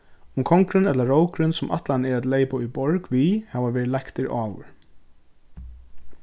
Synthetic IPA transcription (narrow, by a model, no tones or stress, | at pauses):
ʊmkʰɔŋkɾɪnɛt̪lɐɹowkɾɪnsʊmʔa̰t̪lanɛɹæt̪leɪpaujbɔɹkʋiːhaːʋaʋɛːɹɪt̪lakt̪ɪɹʔɑːwʏ̰ɹ